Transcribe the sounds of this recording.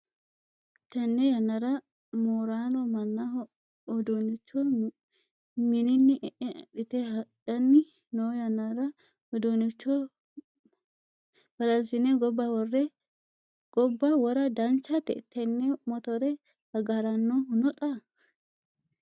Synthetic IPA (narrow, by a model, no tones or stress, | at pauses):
t̪ːɐnːɛjɐnːɐɾɐ | moːɾaːnɔmɐnːɐ | ɔd̪onɪt͡ʃːɔ | mɪnɪnːɪʔɛʔɛɗɪt̪ɛhɐdɐnːɪ | noːjɐnːɐɾɐ | ɔd̪unɪt͡ʃːɔ | bɐɾɐlsɪnɛɡɔbːɐwɔrːɛ | ɡ̥ɔbːɐwɔɾɐd̪ɐnt͡ʃːɐt̪ɛ̰t̪ʰːɛnːɛmɔt̪ɔɾɛ | hɐɡɐɾɐnːoɦʊnɔt̪ʼɐ